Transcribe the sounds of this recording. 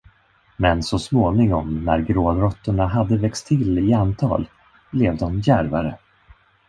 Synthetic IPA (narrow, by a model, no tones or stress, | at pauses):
mɛnsɔsmoːnɪŋɔmnæɾɡɾoːd̪ɾɔt̪ːʊɳaɦad̪ːəvɛkst̪ʰːɪlɪant̪ʰɑ̰ːl | blɛvd̪ɔmjæɾva̰ɾə̰